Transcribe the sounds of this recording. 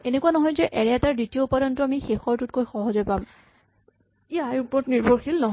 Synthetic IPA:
enekuanɔɦɔjzɛʔɛɹɛaɛtaɹditioupadɔntɔamixexɔɹtut̚kojxɔɦɔzɔjpam | iajupɔɹɔtniɹbʱɔɹxilnɔɦ

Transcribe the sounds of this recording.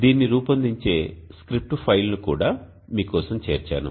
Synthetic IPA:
d̪iːnːiɾuːpɐnd̪iɲt͡ʃe̞ːskɾip̚ʈupʰɐjlɐnukuːɽaː | miːkɔːsɐmt͡ʃe̞̰ːɾt͡ʃa̰ːnṵ

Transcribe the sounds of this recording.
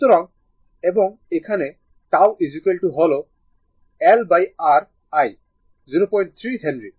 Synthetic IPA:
t̪ɔɾɔŋ | ɛbɔŋɛjkʰanɛ | tawizukelʈuɦɔlɔ | ɛlbajaɹ | aj | ziɾopɔj̃nʈ̚t̪ʰɹisʰɛndɹi

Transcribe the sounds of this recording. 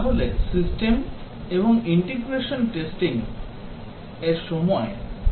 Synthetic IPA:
ɦolesisʈem | eboŋiɳʈiɡɾeʃonʈesʈiŋ | eɾʃɔmɔe

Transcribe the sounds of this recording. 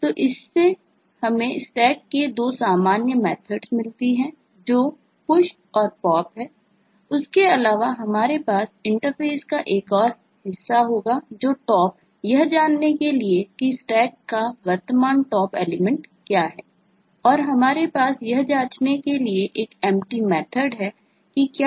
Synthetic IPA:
t̪oːʔɪsːe | hɐmẽsʈɛːkːed̪oːsaːmaːnjəmɛːt̪ʰəɖsmɪlt̪iɦɛ̃ː | d͡ʒoː | pʊʃ | ɔːɾpɔːpɦɛː | ʊskeɐlaːʋaɦɐmaːɾepaːsɪ̃ɳʈəɾfʰeːskaʔeːkɔːɾ | ɦɪsːaɦoːɡad͡ʒoːʈɔːp | jɐɦd͡ʒaːnːekeliekisʈɛːkːaʋəɾt̪əmaːnʈɔːpɛːlɪmə̃ɳʈkjaːɦɛː | ɔːɾɦɐmaːɾepaːsjɐɦd͡ʒaːt͡ʃnekelieʔeːkɛ̃ːmʈimɛːt̪ʰəɖɦɛ | kikjaː

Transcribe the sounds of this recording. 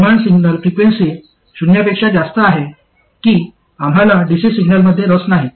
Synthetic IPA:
maɳɖsiɡnəlfɾikʋensi | ɕunjapekʂad͡zast̪əaɦe | kiː | am̤ɦalaɖisisiɡnəlməd̪ʱːjeɾəsnaɦe

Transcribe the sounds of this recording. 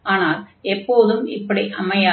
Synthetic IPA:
aːnaːlɛpːoːðɯmɪ̰pːɐɽiʔɐmːɐja

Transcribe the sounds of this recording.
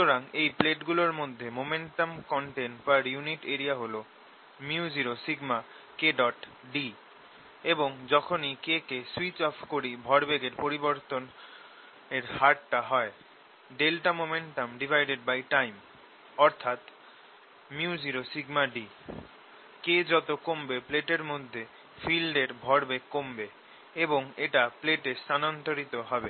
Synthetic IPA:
oɾaŋejpleʈɡuloɾmod̪ʱːemomeɳʈomkɔɳʈenpaɾjuniʈeɾiaɦolo | miud͡ʑiɾosiɡma | keɖɔʈ | ɖi | eboŋd͡ʑɔkʰonikekeswit͡ɕɔpʰkoɾibʱɔɾbeɡeɾpoɾiboɾt̪on | eɾhaʈʈaɦɔe | ɖelʈamomeɳʈamɖibʱajɖeɖ̚bajʈajm | ɔɾt̪ʰat̪ | muud͡ʑiɾosiɡmaɖi | ked͡ʑɔt̪okombepleʈeɾmod̪ʱːe | filɖeɾbʱɔɾbeɡkːombe | eboŋeʈapleʈest̪anont̪oɾit̪oɦɔbe

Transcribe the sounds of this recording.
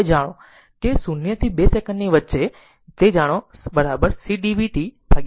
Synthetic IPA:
d͡ʒaɽ̃õ | kesunjət̪ʰibesɛkənɖniʋətːʃe | t̪ed͡ʒaɽ̃obəɾabəɾsiɖiʋiʈib̥ʱaɡ

